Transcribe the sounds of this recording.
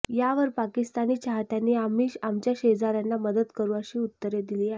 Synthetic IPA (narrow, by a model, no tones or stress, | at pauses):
jaʋəɾpakist̪aniːt͡ɕaɦt̪janːiːamiamt͡ɕjaɕed͡zaɾjanːaməd̪əd̪kəɾũːəɕiːut̪ːəɾjed̪iliːaɦe